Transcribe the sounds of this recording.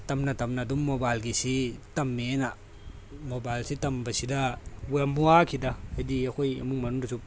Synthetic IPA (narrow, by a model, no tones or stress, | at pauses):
tɐmnatɐmnadumːobalɡisitɐmːena | mobajlsitɐmbɐsidawamuakʰidaɐdiɐkʰojɐ̰muŋmɐnuŋɾɐsup̚